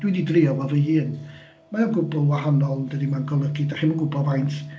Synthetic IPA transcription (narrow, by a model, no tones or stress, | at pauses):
d̥wididrɪɔvɔvəɨːn | majɔnɡʊbʊlˠwaɦanɔlˠdədimanɡɔlˠəɡɪdaχɪmanɡʊbɔvajnt